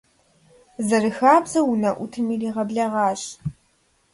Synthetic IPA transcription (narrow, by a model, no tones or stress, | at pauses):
zɐrɨxaːbzɐwunɐʔʷʊtʰɨmiːriːʁɐbɮɐʁɑːɕ